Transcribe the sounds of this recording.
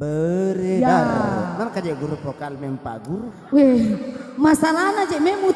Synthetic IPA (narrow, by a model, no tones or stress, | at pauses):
bəɾɛdaɾɔmankad͡ʒaɡuɾupɔkalmɛmpa̰ɡuɾu | wɛ | masalanad͡ʒɛmɛmu